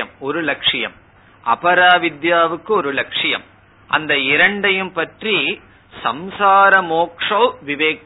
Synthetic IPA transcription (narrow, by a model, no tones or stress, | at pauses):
ɐmoɾɯlɐkʂɪjɐm | ɐ̰pɐɾaːʋɪd̪jaːʋɯkːɯoɾɯlɐkʂijɐ̰m | ɐ̰nd̪ɐiɾɐɳɖɐjɯmpɐʈri | sɐmsaːɾɐmoːkʂoːʋiʋeːk